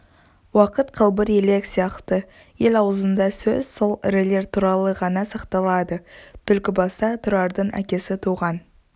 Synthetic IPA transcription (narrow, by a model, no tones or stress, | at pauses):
wɑqət̪qʰəlˠbəɾele̞ksijɑqt̪ə | je̞lɑwəzənd̪ɑsɵz̥so̞lˠɪ̰ɾɪle̞ɾt̪ʰuɾɑlˠəʁɑnɑsɑqt̪ɑlˠɑd̪ət̪ʰʏlkʲɪbɑst̪ɑt̪ʰʊɾɑɾd̪əɴʔæ̰kʲe̞sɪt̪ʰuʁɑn